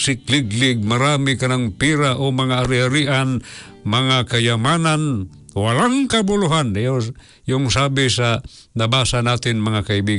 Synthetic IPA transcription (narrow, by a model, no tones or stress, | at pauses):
sɪklɪɡlɪɡ̚maɾamɪkanaŋpiɾaʔomaŋaʔːɾɪaɾiʔan | mɐŋakajamanan | walaŋkabʊlʊɦanjo | jʊŋsabɪsa | nabasanat̪ɪnmɐŋakaɪbiɡ